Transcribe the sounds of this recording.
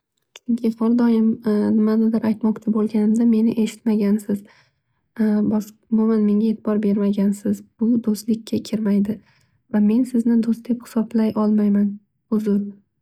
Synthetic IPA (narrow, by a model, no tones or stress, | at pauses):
t͡ʃʰʊŋkʲʰɪhɒlˠd̪ɒjɪmnɪmanad̪ɪɾajt̪mɒqt͡ʃʰabolˠɡʲanɪmd̪ame̞nɪʔe̞ʃɪ̥t̪maɡʲansɪz | bɒsʊmʊmanme̞ŋɡʲae̞t̪ʰɪbɒɾbe̞ɾmaɡʲansɪzbʊd̪ost̪lɪkʲːakʲʰɪɾmajd̪ɪ | vame̞nsɪznɪd̪ost̪d̪ephɪ̥sɒblajʔɒlˠmajman | ʊzʊɾ